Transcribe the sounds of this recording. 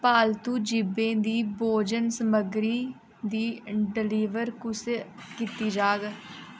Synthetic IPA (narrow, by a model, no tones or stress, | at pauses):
paːlt̪uːd͡ʒɪbẽːd̪iːboːd͡ʒənsəməɡɾiː | d̪iːɖɪliːʋəɾkʊskiːt̪iːd͡ʒaːɡ